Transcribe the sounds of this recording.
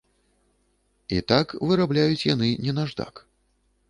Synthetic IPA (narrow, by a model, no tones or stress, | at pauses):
it̪akvɨɾablʲajut͡sʲjan̪ɨnʲɛnaʐd̪a̰k